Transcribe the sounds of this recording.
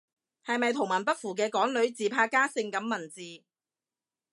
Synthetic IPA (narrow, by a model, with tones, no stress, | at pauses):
hɐ˨jmɐ˨jt̪ʰʊ˨˩ŋmɐ˨˩np̬ɐ˥t̚fuː˨˩k̬ɛː˧kɔː˨˥ŋlɵ˨˥ɥt͡siː˨pʰaː˧kaː˥sɪ˧ŋkɐ˨˥mːɐ˨˩nt͡siː˨